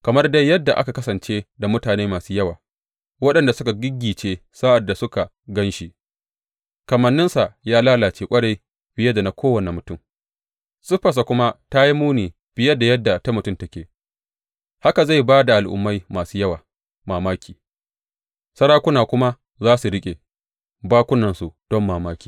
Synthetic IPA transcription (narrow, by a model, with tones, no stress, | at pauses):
kɐ˨mɐ˦rda˦jːɐ˦dːa˨ʔa̰˦ka˨kɐ˦sɐ˨nt͡ʃeː˦da˨mʊ˦taː˨neː˦maː˨suː˦jɐ˦waː˨ | wɐ˦ɗɐ˨nda˨sʊ˦ka˨ɡʲɪ˦ɡʲiː˨t͡ʃeː˦saː˦ʔa˨dːa˨sʊ˦ka˨ | ɡɐ˦nʃi˨ | kɐ˨mɐ˨nːɪ˦nsa˨ʔjaː˦laː˦laː˨t͡ʃeː˦kʷʼɐ˦ɽa˦j | bɪ˦je˦da˨na˨kʷʰoː˦wɐ˨ne˨mʊ˨tʊ˦˨m | sʊ˦ɸɐ˨s̬a˨kʷʊ˦ma˦ta˦ji˦muː˦niː˨ | b̥ɪ˦jɐ˦da˨jɐ˦dːa˨ta˦mʊ˨tʊ˦˨mtɐ˦kʲeː˨ | ha˦ka˨za˦˨jbaː˦da˨ʔa˨lʔʊ̰˨mːa˦jmaː˨suː˦jɐ˦waː˨ | maː˨maː˦kʲʰiː˨ | sɐ˦ɽaː˦kʷʊ˦naː˨kʷʊ˦ma˦ | zaː˦su˨ɽɪ˦kʲʼe˨ | baː˦kʷʊ˦nɐ˨nsu˨d̥ɔ˦mːaː˨maː˦kʲi̥ː˨